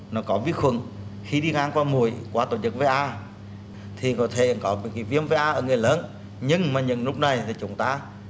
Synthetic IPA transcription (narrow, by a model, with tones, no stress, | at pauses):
nɔ˨˦kɔ˨˦vi˨˦əxwɨ̰˨˧˩ŋ | xi˧ɗi˧ŋaː˧ŋkwaː˧mu˨˩əjkwaː˨˧˦t̪o˧˩ɲɨ˨˦k̚ve˨˧˦ʔaː˧ | t̪ʰi˨˩kɔ˨˦t̪ʰe˧˩kɔ˨˦˨ki˨˦vi˧əmve˧˦ʔaː˧ʔəː˧˩ŋɨ˨˩əjləː˨˦n | ɲɨ˧ŋmaː˨˩ɲɨ̰˧˥ŋlʊ˦˥k͡p̚na˨˩jt̪ʰi˨˩t͡ɕʊ˨˦ŋ͡mt̪aː˧